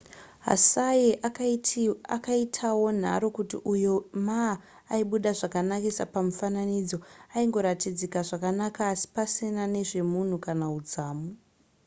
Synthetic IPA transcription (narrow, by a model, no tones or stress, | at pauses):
ɦa̰sajeʔ | akaitʰawo̞n̤a̰ɾo̞kutḭʔujomaː | iɓuɗaʐakanakisa̰pamufananid͡zoaiŋɡo̞ɾatid͡zikaʐakanakaːsi̥pasinane̞ʐe̞mun̤ukanaud͡zaːmu